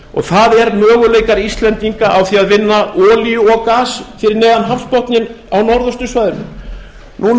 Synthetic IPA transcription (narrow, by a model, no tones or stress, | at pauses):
ɔ̰ɣθaðɛɾmœːɣʏleːjkaɾist̪lɛnt̪iŋkaʔawθiaðvɪnːaʔɔːliʏɔɣkaːsfɪɾɪɾnɛːðanɦafspɔht̪nɪn | awnɔɾðʏst̪ʏsvaɥðʏnʏm | nuː